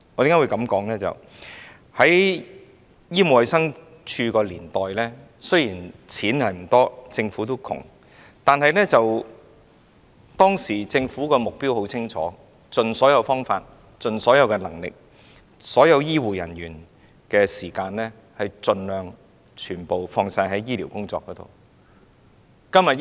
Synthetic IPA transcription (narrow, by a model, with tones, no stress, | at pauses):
ɔː˨˧t̪i˨˧ŋa˥wu˨˧jkɐ˨˧˥mkɔː˨˥ŋlɛː˥t͡sɐ̰˨˩w | hɐ˨˥j | jiː˥mo˨˧wɐ˨˧jsɐ˥ŋ | t͡ʃʰyː˧kɔː˧liː˨˩nt̪ɔː˨jlɛː˥ | sɵ˥ɥjiː˨˩nt͡sʰiː˨˥nhɐ˨jm̩˨˩t̪ɔː˥t͡sɪ˧ŋfuː˨˥t̪o˥wkʰʊ̰˨˩ŋ | t̪aː˨nɦɐ˨˧jlɛː˥t͡sɐ˨w | t̪ɔː˥ŋsiː˨˩t͡sɪ˧ŋfuː˨˥kɔː˧mʊ˨k̚piː˥who˨˥wt͡sʰɪ˥ŋt͡ʃʰɔ̰ː˨˦ | t͡sɵ˨nsɔː˨˥jɐ˨˧wfɔː˥ŋfaː˧t̚ | t͡sɵ˨˧nsɔː˨˥jɐ˨˧wkɛ˧lɐ˨˩ŋlɪ̰˨k̚ | sɔː˨˥jɐ˨˧wjiː˥wuː˨jɐ̰˨˩nɥyː˨˩n | kɛː˧siː˨˩kaː˧nlɛː˥ | hɐ˨jt͡sɵ˧nlœː˨ŋ | t͡ʃʰyː˨˩npo˨wfɔː˧ŋsaː˧jɦɐ˨˥jiː˥liː˨˩wkʊ˥ŋt͡sɔː˧kːɔː˨˥t̪o̰˨˩w | kɐ˥mjɐ˨t̚